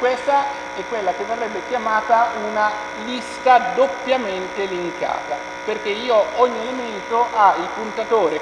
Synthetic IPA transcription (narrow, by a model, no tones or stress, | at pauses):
kwest̪a | ɛkːwelːak̟evːerːɛbːekjamaːt̪auna | list̪ad̪opːjament̪elimik̪a̰ːt̪a | perk̟eiːoɔɲːielement̪oʔailpunt̪at̪oːɾe